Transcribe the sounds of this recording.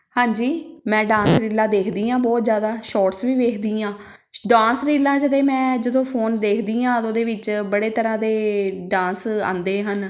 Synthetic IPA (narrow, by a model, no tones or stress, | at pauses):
hãːɲd͡ʒiːmɛ̃ːɖãːsɾiːlãːd̪eːkʰd̪iːãːbɔːt̪zjaːd̪aːʃɔːʈsʋiːʋeːkʰd̪iːãː | ɖãːnsɾiːlːãːd͡ʒəd̪eːmɛ̃ːd͡ʒəd̪õːpʰoːnd̪eːkʰd̪iːãːt̪oːd̪eːʋɪt͡ʃbəɽeːt̪əɾãːd̪eːɖãːnsã̰ːnd̪eːɦən